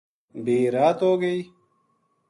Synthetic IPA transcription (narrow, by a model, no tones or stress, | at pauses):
beːɾaːt̪oːɡei